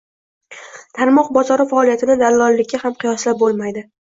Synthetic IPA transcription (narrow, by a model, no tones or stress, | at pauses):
t̪ʰaɾmɒqbɒzɒɾɪfaːlijat̪ʰɪnɪd̪alɒlːɪkʲːahamqʰɨjɒslap̚bolˠmajd̪ɪ